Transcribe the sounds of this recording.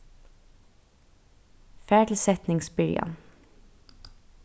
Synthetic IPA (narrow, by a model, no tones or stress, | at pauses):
fæːɖl̩sɛt̪nɪŋsbʏljɑ̰n